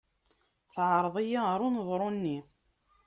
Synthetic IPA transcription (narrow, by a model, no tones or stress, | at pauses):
θʕəɾˤðˤijaɾˤʊnðˤɾˤonːi